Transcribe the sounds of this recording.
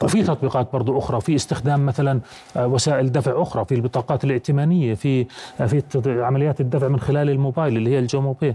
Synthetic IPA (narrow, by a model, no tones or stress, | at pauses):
fit̪ɑt̪ˤbiːqɑːt̪̚bɑɾˤd̪ˤuʔʊxɾˤɑfiʔɪst̪ɪxd̪aːmːaθalan | wasaːʔɪld̪afʕʔʊxɾˤɑfilbɨt̪ˤɑːqɑːt̪ɪlʔɪʕt̪ɪmaːnɪjːafifiʕamalɪjaːt̪ɪd̪ːafʕmɪnxɪlaːlɪlmoːbaːjlɪlːihɪjːald͡ʒoːmoːbeː